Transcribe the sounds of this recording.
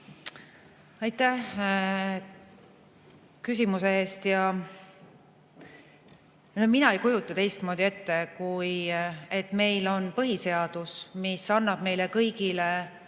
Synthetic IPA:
ɑjt̪ːˑæh | kys̬ʲimuse̞e̞ːst̪jɑ | nominɑejkujut̪ˑːɑt̪e̞jst̪mo̞ːd̪̥ʲie̞t̪ːe̞kujet̪ːˑme̞jlo̞npɤɦise̞ɑd̪̥usmisɑnːɑb̥me̞jlekɤjɡ̥ile

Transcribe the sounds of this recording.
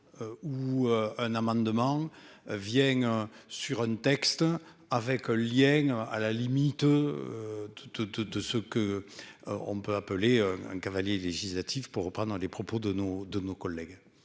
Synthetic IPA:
øuøɛ̃namɑ̃d̪əmɑ̃vjɛ̃syʁɛ̃nt̪ɛkst̪avɛkɛ̃ljɛ̃a̰lalimit̪ød̪̥əd̪əd̪əsəkə | ɔ̰̃mpøapəleɛ̃ɛ̰̃ŋkavaljeleʒislat̪ʰifpuʁːəpχɑ̃nd̪ʁəlepχɔpod̪ənod̪ənokɔlːɛɡ

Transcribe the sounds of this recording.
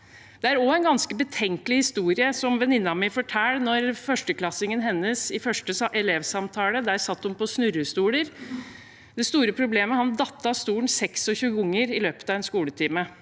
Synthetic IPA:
d̪̥ɛæɾɔɛɪnɡɑnskəbət̪ʰɛŋkəlɪhɪst̪uːɾɪəsɔmʋɛnɪnːɑmɪfɔʈʰæːlnɔɾfœʂʈəklɑsɪŋənɦɛnːəsɪfœʂʈəʔɛleːʋsɑmt̪ʰɑːləd̪æɾsɑt̪ːʊmpɔsnʉɾəst̪uːləɾ | d̪ɛst̪uːɾəpʰɾʊbleːməhɑnd̪ɑt̪ːɑst̪uːɳsɛksɔçʉːɡɔŋːəɾɪløːpət̪ɑʋɛːnskuːlət̪ʰiːmə

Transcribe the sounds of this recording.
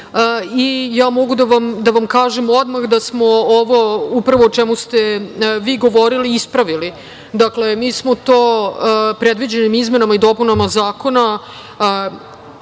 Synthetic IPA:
ijaːmo̞ɡud̪aʋamd̪aʋamkaːʒemod̪maxd̪asmo̞oʋo̞upɾaʋoːt͡ʃemust̪e̞ʋiːɡo̞ʋo̞ɾiliispɾaʋili | d̪akle̞miːsmot̪oːpɾed̪ʋid͡ʑe̞nimizme̞namaid̪o̞punamazaːko̞na

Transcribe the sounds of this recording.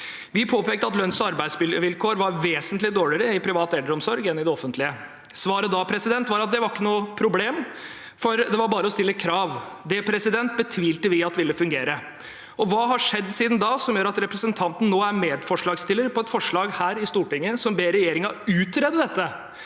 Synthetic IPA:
ʋɪpʰoːpeːkt̪əɑt̪lœnsɔɑɾbæɪsʋɪʋɪlkʰoːɾʋɑɾʋeːsənt̪lɪd̪oːɭɪɾəɪpʰɾɪʋɑːt̪ɛld̪əɾɔmsɔɾɡɛnːɪd̪ɛɔfənt̪lɪə | sʋɑːɾəd̪ɑpʰɾɛsɪd̪ɛnt̪ʋɑɾɑt̪̚d̪ɛʋɑɾɪkːənuːəpʰɾʊbleːm | fɔɾd̪ɛʋɑɾbɑːɾəɔst̪ɪlːəkʰɾɑːʋd̪ɛpʰɾɛsɪd̪ɛnt̪̚bət̪ʰʋiːlt̪əʋɪɑt̪ːʋɪlːəfʉŋɡeːɾə | ɔʋɑːɦɑʂɛd̪ːsiːd̪n̩d̪ɑːsɔmjøːɾɑt̪ɾɛpɾəsənt̪ʰɑnt̪n̩nːoːæɾmeːd̪fɔʂɭɑːɡst̪ɪlːəɾpɔɛt̪fɔʂɭɑːɡhæːɾɪst̪uːʈɪŋːəsɔmbeːɾɛjeːɾɪŋɑʉːt̪ɾeːd̪əd̪ɛt̪ːə

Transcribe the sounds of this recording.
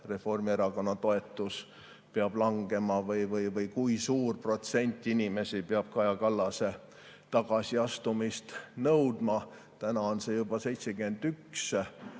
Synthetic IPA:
re̞fo̞rmieɾɑko̞nːɑt̪o̞e̞t̪ːˑus | peɑb̥lɑŋɡ̥e̞mɑvɤjvɤjvɤjkujsuːrpro̞t̪se̞nʲt̪ːˑinʲime̞sipeɑb̥̚kɑjɑkɑlːɑse̞ | t̪ɑɡ̥ɑsiɑst̪umist̪nɤwd̪̥mɑ | t̪ænɑo̞nse̞jub̥ɑse̞jt̪se̞ɡyme̞nd̪yks

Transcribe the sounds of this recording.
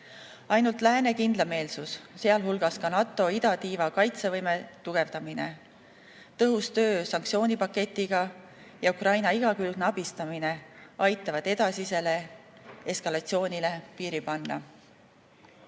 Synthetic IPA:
ɑjnult̪ˑlæːne̞kind̪lɑme̞ːlsusse̞ɑlɦulɡ̥ɑskɑnɑt̪ːˑo̞id̪ɑt̪iːvɑkɑjt̪se̞vɤjmet̪uɡ̥e̞vd̪ɑmine̞̰ | t̪ɤɦust̪ø̞ːsɑŋkt̪sio̞ːnʲipɑkːe̞t̪ːˑiɡ̥ɑ | jɑukrɑjnɑiɡ̥ɑkylɡ̥nɑbist̪ɑmineɑjt̪ːˑɑvɑd̪̥e̞d̪ɑsise̞le̞eskɑlɑt̪sio̞ːnʲilepiːɾipɑnːɑ̰

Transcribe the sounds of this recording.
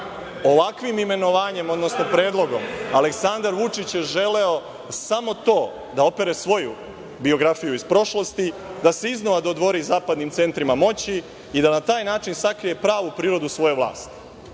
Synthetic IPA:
o̞ʋakʋimime̞no̞ʋaːɲe̞mo̞d̪no̞sno̞pɾe̞ːd̪lˠo̞ɡo̞male̞ksand̪aɾʋut͡ʃit͡ɕjeʒe̞le̞o̞ | samo̞t̪o̞ː | d̪ao̞pe̞ɾe̞sʋo̞ju | bio̞ɡɾafijuispɾo̞ʃlˠost̪id̪ase̞iznoʋad̪od̪ʋo̞ɾizaːpad̪nimt̪se̞nt̪ɾimamo̞t͡ɕi | id̪anat̪aːjnaːt͡ʃinsakɾije̞pɾaːʋupɾiːɾo̞d̪usʋo̞jeʋlˠa̰ːst̪i̥

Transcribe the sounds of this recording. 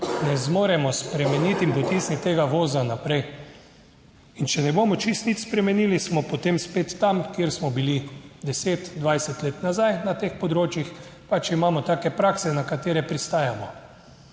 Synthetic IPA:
nɛzmoːɾɛmɔspɾɛmɛnit̪impɔt̪isnit̪ːeːɡaʋoːzanapɾɛj | int͡ʃɛnɛboːmɔt͡ʃist̪nit̪spɾɛmɛniːlismɔpɔt̪emspeːt̪ːamkjeɾsmɔbilid̪ɛseːt̪d̪ʋajsɛt̪leːt̪nazajnat̪eːxpɔd̪ɾoːt͡ʃjixpat͡ʃimaːmɔt̪aːkɛpɾaːksɛnakat̪eːɾɛpɾist̪aːjamɔ

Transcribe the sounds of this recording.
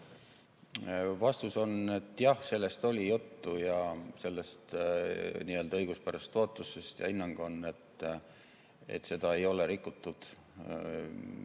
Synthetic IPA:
vɑst̪uso̞ne̞t̪ːˑjɑhse̞lːe̞st̪o̞lʲijut̪ːujɑse̞lːe̞st̪ | niːø̞ld̪ɑɤjɡ̥uspæɾɑst̪ːo̞t̪ːˑusest̪jɑ̰inːɑŋɡ̥o̞nːe̞t̪ː | ḛt̪ːˑse̞d̪̥ɑe̞jo̞le̞ɾikːˑut̪ːˑud̪̥

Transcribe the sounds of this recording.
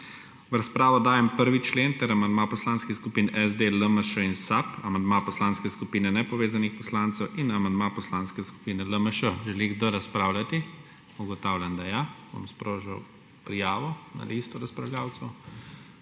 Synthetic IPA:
ʋɾaspɾaːʋɔd̪aːjɛmpəɾʋit͡ʃleːnt̪ɛɾamand̪mapɔslaːnskixskupiːnɛzd̪eləməʃəinsapamand̪mapɔslaːnskɛskupiːnɛnɛpɔʋeːzanixpɔslaːnt̪sɛwʔinamand̪mapɔslanskɛsku̥piːnɛləməʃəʒɛliɡd̪əɾaspɾaːwlʲat̪i | uɡɔt̪awlʲjand̪ajabo̰mspɾoːʒaw | pɾijaːʋɔna̰liːst̪uɾaspɾaʋlʲjaːwt̪sɐw

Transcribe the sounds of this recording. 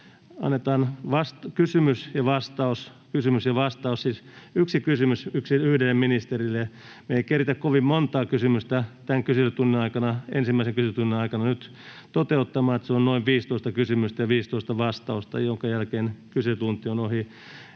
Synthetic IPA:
ɑ̰nːet̪ɑːnʋɑst̪kysymysjɑʋɑst̪ɑus | kysymysjɑʋɑst̪ɑussiːsyksikysymysyksiyhdelːeminist̪erilːe | meikerit̪ækkoʋimmont̪ɑːkysymyst̪æt̪æŋkyselyt̪unːinɑikɑnɑensimːæiseŋkysyt̪unːinɑikɑnɑnyt̪ | t̪ot̪eut̪ːɑmɑːet̪seonnoiʋʋiːst̪oˑist̪ɑkysymyst̪ɑjɑʋiːst̪oist̪ɑʋɑst̪ɑust̪ɑ̰joŋkɑjælkeːnkyset̪unt̪ionohi

